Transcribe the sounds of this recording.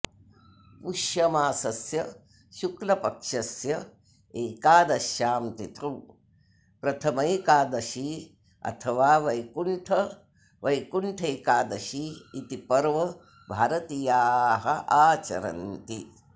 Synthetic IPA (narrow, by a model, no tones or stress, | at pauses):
puʃjɐmaːsɐsjɐ | ʃuklɐpɐkʂɐsjɐ | eːkaːd̪ɐʃjaːmt̪it̪ʰuw | pɾɐt̪ʰɐmɐjkaːd̪ɐʃi | ɐ̰t̪ʰɐʋaːʋɐjkuɳʈʰɐ | ʋɐjkuɳʈʰeːkaːd̪ɐʃiːt̪ipɐɾʋɐ | bʱaːɾɐt̪ijaːɦɐʔaːt͡ʃɐ̰ɾɐ̰nt̪i